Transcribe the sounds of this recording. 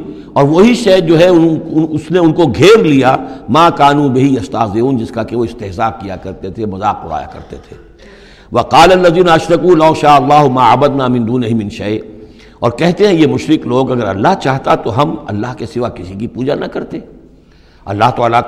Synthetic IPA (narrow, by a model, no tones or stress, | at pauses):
ɔːɾʋoɦiʃɛːd͡ʒoːɦɛʊʊʊsneʊnkoɡʱeːɾlijamaːkaːnũbɪɦiɐst̪aːzeuːnd͡ʒɪskakeʋoɪst̪ɪɦzaːk̚ːija̰kɐɾt̪et̪ʰemɐzaːk̚pʊɽa̰ːja̰kɐ̰ɾt̪et̪ʰḛː | ʋɐqaːlɐlːɐðiːnaɐʃɾɐkulɐːʃaːɐlˤːaːɦʊmaːʕɐbəd̪naːmɪ̃nd̪uːnɪɦɪmɪ̃nʃɐɪ | ɔːɾkɛɦt̪eɦɛ̃jemʊʃɾɪkloːɡɐɡəɾɐ̰lːaɦt͡ʃaːɦt̪at̪oɦɐmɐ̰lːaːɦkesɪʋakɪsikipuːd͡ʒanɐkɐɾt̪e | ɐ̰lːaɦt̪oala